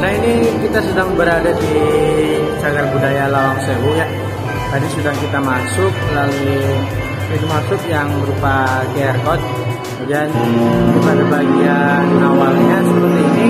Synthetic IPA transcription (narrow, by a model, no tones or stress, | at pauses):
nahinikit̪asədaŋbəɾadadi | t͡ʃaɡarbudajalawaŋsewoja | tadisədaŋkit̪amasʊk̚lalu | inumasʊk̚jaŋməɾupakeɛrkɔt̪̚ | d͡ʒandimanabaɡianawalɲasəɾut̪ini